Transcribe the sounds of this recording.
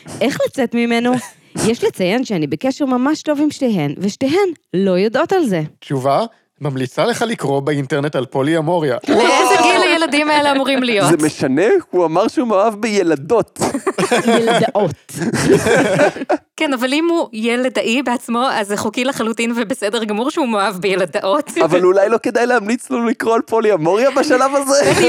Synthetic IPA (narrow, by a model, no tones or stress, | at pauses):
ʔe̞χlat͡set̪mimeno | jeʃlet͡sajenʃeanibekeʃeʁmamaʃto̞vimʃteɦenveʃteɦenlo̞jod̪ʔo̞talze̞t͡ʃuva | mamlit͡saleχalikʁo̞beinteʁne̞talpoliamo̞ʁjaezeɡilajelad̪imaeleamuʁimlijoztemeʃanehuamaʁʃeumoavbejelado̞t | jeldʔot | kenavalimujeled̪aʔibeat͡smo̞azeχukilaχalutinvebesedeʁɡamuʁʃeumohavbejelad̪aʔot̪avalulajlo̞ke̞d̪ajlehamlit͡slolikʁo̞alpoliamo̞ʁjabaʃalavaze